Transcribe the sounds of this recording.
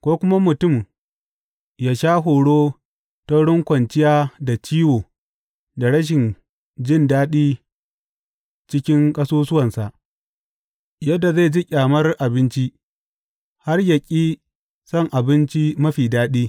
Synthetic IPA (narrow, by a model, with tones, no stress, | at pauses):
kʷoː˦kʷʊ˦ma˦mʊ˨tʊ˦˨m | jaː˦ʃaː˦ɦoː˨ɽoː˦ | ta˦ɽʊ˦ŋkʷɐ˨nt͡ʃɪ˦jaː˦da˨t͡ʃiː˦woː˨ | da˨ɽɐ˦ʃ̬ɪ˨n | d͡ʒɪ˦˨ndaː˦ɗiː˦ | t͡ʃɪ˦kʲɪ˦ŋkʼɐ˦soː˦sʊ˦wɐ˨nsa˨ʔ | jɐ˦dːa˨za˦˨d͡ʒi˦kʲʼaː˨mɐ˦rʔa˨bɪ˦nt͡ʃi˦ | ha˦rjɐ˨kʲʼiː˦ | sɔ˦˨ŋʔa˨bɪ˦nt͡ʃi˦mɐ˦ɸiː˨daː˦ɗiː˦